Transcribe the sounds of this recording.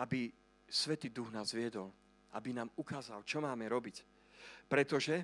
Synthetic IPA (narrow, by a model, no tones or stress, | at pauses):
abi | sʋɛt̪iːd̪uɣnaːzʋɪɛd̪ɔl | abinaːmukaːzalt͡ʃɔmaːmɛɾɔbic | pɾɛt̪ɔʒɛ